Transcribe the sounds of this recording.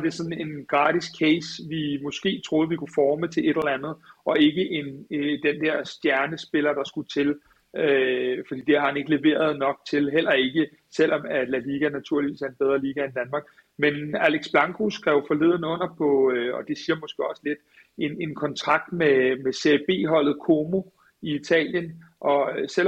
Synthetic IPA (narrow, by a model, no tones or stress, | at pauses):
ɑd̥e̝sɒ̽n̩e̝nɡ̥ʁɑ̰̈ːd̥iskʰeɪsʋimɔ̽sɡ̥e̝̰ːt͡sʰʁo̝ːðˠʋikʰufɒːmət͡sʰe̝le̝ɾ̥lɐænð̞̩ˠɒ̽e̝ɡ̥əʔe̝nd̥end̥ɛɐ̰sd̥jæɐnəsb̥e̝lɐd̥ɑ̈sɡ̥ut͡sʰe̝l | øfɒ̽d̥ḭːd̥e̝hɑ̈hæne̝ɡ̥əle̝ʋe̝̰ːɐð̞̩ˠnɒ̽ɡ̥̚t͡sʰe̝lɦel̰ɐe̝ɡ̥ə | sel̰ɒ̽mæd̥læliːɡ̥ænæt͡sʰuɐ̰liʋḭːsæɐenb̥eð̞ˠʁɐliːɡ̥æend̥ænmɑ̈ːɡ̥̚ | menæleɡ̥sb̥lɑ̈ŋkʰusɡ̥ʁɛʊfɒ̽le̝ð̞̰ˠnəɔ̽n̰ɐpʰɒ̽ɒ̽d̥e̝siːɐmɔ̽sɡ̥e̝ɒ̽səle̝d̥ | e̝ne̝nkʰɒ̽nt͡sʰʁɑ̈ɡ̥̚d̥memeseeb̥e̝̰ːɦɒ̽l̰ð̩ˠkʰo̝mo̝ | iit͡sʰɛ̰ːljənʔɒ̽sel̰